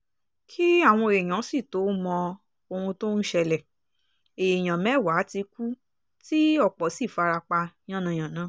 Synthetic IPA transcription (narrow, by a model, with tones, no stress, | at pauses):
kʰi˦a˦˨w̃ɔ̃˧e˨ɾẽ˨ã˨˦si˦˨to˨˦mɔ̃˧ | o˧wũ˧to˦n̩˦ʃɛ˧lɛ˨ | e˨je˨j̃ã˨mɛ̃˨˦˨wa˨˦ti˧ku˦ | ti˦ɔ˦˨k͡pɔ˨˦si˦˨fa˧ɾa˧k͡pã˧˦ã˦nã˧˨j̃ã˨nãː˨˦